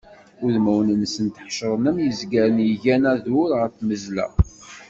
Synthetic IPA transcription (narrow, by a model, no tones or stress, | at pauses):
ʊðmæwnənsənt̪əħʃəɾˤnəmjəzɡæɾənjəʝænæðʊɾʁəɾθməzlæ̰